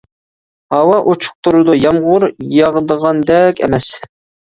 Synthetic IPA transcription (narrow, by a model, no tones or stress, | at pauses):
hɑwɑʔot͡ʃʰʊ̥q̚t̪uɾɨd̪ujɑmʁʊɾjɑʁd̪əʁɑnd̪ɛkʲɛ̰mɛs